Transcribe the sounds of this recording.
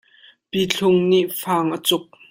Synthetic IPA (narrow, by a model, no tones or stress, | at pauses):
pit͡ɬʰʊŋniʔfaːŋʔət͡sʊk̚